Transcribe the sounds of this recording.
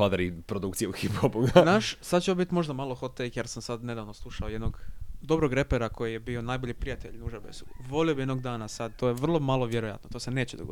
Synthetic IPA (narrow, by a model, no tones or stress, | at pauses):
fad̪aɾipɾod̪ukt̪ieuxipxobuɡanaːʃsad̪t͡ɕeobit̪mo̞ʒd̪amalˠoxo̞t̪ekjeɾsamsad̪ne̞d̪aːʋnoslˠuʃaojed̪noɡd̪o̞bɾoɡɾe̞peɾako̞jijebio̞najbo̞ʎʲipɾijat̪eʎnuʒebḛsuʋo̞liobije̞d̪noɡ̚d̪aːnasad̪̚t̪o̞ːjeʋr̩lˠo̞malˠo̞ʋjeɾoja̰t̪no̞t̪ose̞ne̞ːt͡ɕed̪oɡod̪